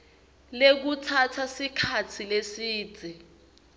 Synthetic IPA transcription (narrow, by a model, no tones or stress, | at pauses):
lek̬utʰatʰasikʰatʰilesi̥ːd͡zʱɛ